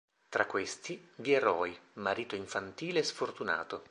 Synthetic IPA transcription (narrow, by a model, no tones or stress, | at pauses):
t̪ɾakːwest̪ivieɾɔjmaɾiːt̪oiɱfant̪iːleːsfort̪una̰ːt̪o